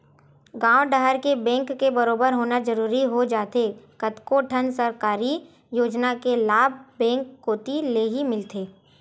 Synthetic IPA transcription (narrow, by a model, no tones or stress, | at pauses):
ɡãːʋɖəɦəɾkebɛ̃ːŋkːebɐɾoːbəɾɦoːnad͡ʒɐɾuːɾiɦod͡ʒaːt̪ekɐt̪koʈʰənsəɾkaːɾi | joːd͡ʒnakelaːbʱbɛ̃ːŋkːoːt̪ileɦimɪlt̪eː